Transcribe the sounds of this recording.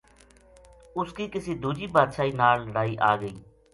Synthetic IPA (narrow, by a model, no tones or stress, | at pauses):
ʊskiːkɪsiːd̪uːd͡ʒiːbaːd̪ʃaːiːnaːlləɽaːiːʔaːɡəiː